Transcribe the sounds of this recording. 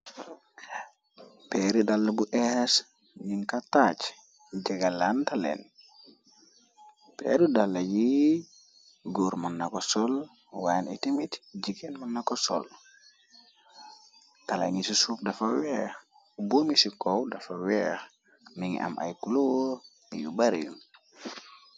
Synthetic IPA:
pɛɾidalːabuʔɛhɛs | ɲiŋkatat͡ʃ | d͡ʒaɡalantalɛ̰n | pɛ̰ɾudalːaji | ɡoːɾmanːakɔsɔl | wajnitimitd͡ʒikenmanːakɔsɔ̰l | tala̰ɲisisup̚dɐfawɛx | ubomisikɔwdafawɛx | miŋ̰ʔa̰mʔa̰jkulu | ḭjṵbaɾḭn

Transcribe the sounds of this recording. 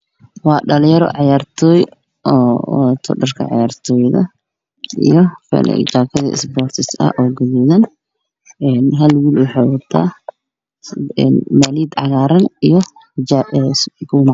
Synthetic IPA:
wɑːɖɐljɐɾɔ̰ʕɑjaːrt̪ʰɔːj | ʔɔːt̪ʰɔ̰ɖɐrkʰɐ̰ʕɑ̰jaːrt̪ʰɔːjðɐ | ʔḭjɔfɛ̰l̰t͡ʃaːkʰɐðɐ̰ɪ̰sbɔːrt̪ʰɪsɐ̰ʔɔːɡɐðuːðɐn | ɛːnɦɐlwiːlwɑħɑːwɐt̪ʰːa̰ː | nmaliːd̪ʕɑɣaːɾɐnijɔ | ɛsɡʊm

